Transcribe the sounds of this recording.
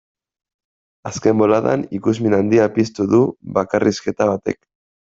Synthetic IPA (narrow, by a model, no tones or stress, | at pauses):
aske̞mbo̞laða̰nikuzminand̪iapist̪uðuβakarʔiske̞t̪aβat̪e̞̰k